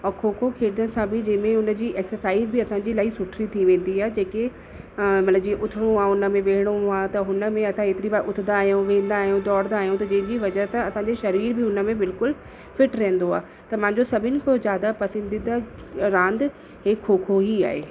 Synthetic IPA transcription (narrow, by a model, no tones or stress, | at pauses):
ɔːkʰoːkʰokʰeːd̪ənɪ̆sãbɪd͡ʑɐ̃ɦɪ̃mẽʊnə̆d͡ʑiːʔeːksəɾsaːizbɪɐsãd͡ʑiːlaːisʊʈʰɾit̪ʰiʋẽːn̆d̪iaːɦed͡ʑeːke | mɐt̪ləbd͡ʑiẽʔʊt̪ʰɪɽ̃õaːʊnə̆mẽʋeːɦɪɽ̃õaːt̪ɐɦʊnə̆mẽɐsãeːt̪ɪɾibaːʔʊt̪ʰɪnaːɦijũʋẽːn̆d̪aːɦijũd̪ɔːɾd̪aːɦijũt̪ɐd͡ʑɐ̃ɦɪ̃ɲd͡ʑiʋɐd͡ʑəɦəsãɐsãɲd͡ʑeʃɐɾiːɾbɪɦʊnə̆mẽbɪlkʊl | fɪʈɾẽɦːn̆d̪oaː | t̪ɐmãːɪ̃ɲd͡ʑosɐbʱɪnɪ̆kʰozjaːd̪apɐsə̃nd̪ĩd̪aɾãːnd̪ | ɦekʰːoːkʰoɦia̰ːɦḛː